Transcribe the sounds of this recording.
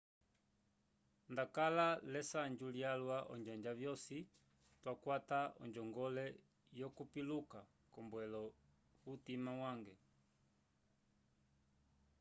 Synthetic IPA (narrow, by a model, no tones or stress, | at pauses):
ndakalalɛsaɲd͡ʒuljalwaʔɔ̰ɲd͡ʒaɲd͡ʒavjɔsi | twakwataɔ̰ɲd͡ʒɔŋɡɔlɛ | jɔkupiluka | kɔmbwɛlɔ | utimawaŋɡɛ